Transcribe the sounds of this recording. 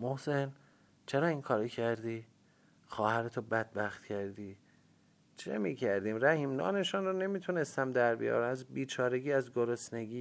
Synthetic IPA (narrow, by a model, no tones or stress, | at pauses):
mohsen | t͡ʃʰeɾɒːiŋkʰɒːɾɒcʰæɾd̪iː | xɒːhæɾet̪ʰobæd̪̥̚bæxt̪̚cʰæɾd̪iː | t͡ʃʰḛmiːcʰæɾd̪iːmɾæhiːmnɒ̰ːne̞ʃunrone̞miːt̪ʰune̞st̪æmd̪æɾbḭjɒ̰ːɾæmæzbiːt͡ʃʰɒːɾe̞ɟiːæzɡoɾosne̞ɡiː